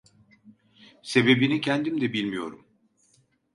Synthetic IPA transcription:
se̞be̞binicʰænd̪imd̪ɛbilʲmijo̞ɾum

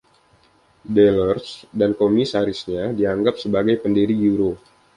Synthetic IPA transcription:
delərsdankomisaɾisɲadiaŋɡap̚səbaɡajpəndiɾiɡuɾo

